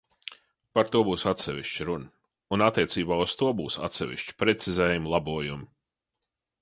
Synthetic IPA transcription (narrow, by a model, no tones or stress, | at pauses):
paɾt̪uɔbuːsat̪sɛvʲiʃt͡ʃɾunə | unat̪ːiɛt̪siːbaːust̪uɔbuːsa̰t̪sɛ̰ʋḭʃt͡ʃi̥pɾɛt̪sizɛːjumlˠabuɔjum